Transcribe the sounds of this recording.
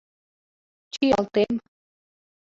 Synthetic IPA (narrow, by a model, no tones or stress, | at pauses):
t͡ʃt͡ɕijɑlt̪em